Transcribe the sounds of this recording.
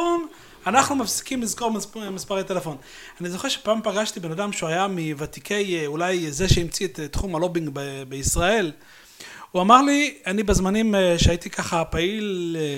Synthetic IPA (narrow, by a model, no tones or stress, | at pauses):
on | anaχnumafsi̥kimlizko̞ʁmmispaʁet̪elefo̞n | anizo̞χe̞ʁʃe̥paːmpaɡaʃtibe̞nadamʃuajamivat̪ikʰe̞julajzeʃeimt͡siet̪tːχumalo̞biŋɡbebeisʁae̞l | uamaʁlianibezmanimʃeait̪ikaχapail